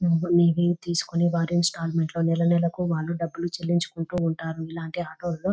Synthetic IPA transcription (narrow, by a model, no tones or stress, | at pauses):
nniːʋit̪iːsu̥kuniʋaːɾjunsʈaːlmeɳʈlo̞ːnɛlɐnɛlɐkuʋaːɭːuɖɐbːulut͡ʃelːiɲt͡ʃu̥kuɳʈuːɳʈaːɾuilaːɳʈiɦaːʈoːlloː